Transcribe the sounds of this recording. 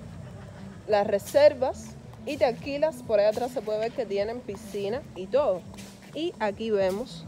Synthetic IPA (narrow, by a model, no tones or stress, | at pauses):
lasre̞se̞ɾβas | it̪akilaspo̞ɾajat̪ɾasːe̞pwe̞ðe̞βe̞ɾke̞t̪je̞nẽ̞mpisinait̪o̞ðo̞ | iakiβe̞mos